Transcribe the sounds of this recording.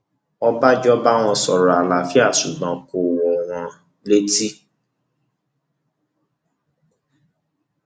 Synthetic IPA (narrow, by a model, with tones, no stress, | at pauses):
ɔ˦ba˦d͡ʒɔ˦ba˦w̃ɔ̃˧sɔ˨ɾa˨a˨la˨fi˦a˦˨su˨ɡ͡bã˨ko˨wɔ˨w̃ɔ̃˧ | le˦ti˦